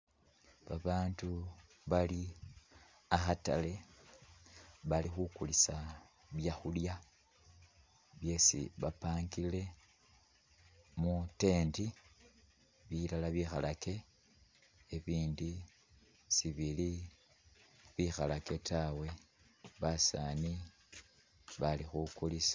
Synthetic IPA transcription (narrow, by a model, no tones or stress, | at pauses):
βaβaːntu | βali | axata̰le̞ | βalixukulisa | βjaxulja | βje̞sḭβapaːŋɡile̞ | mute̞ːndi | βilalaβixalake̞ | eβiːndi | siβili | βixalake̞tawe̞ | βasa̰ni | βalixukulis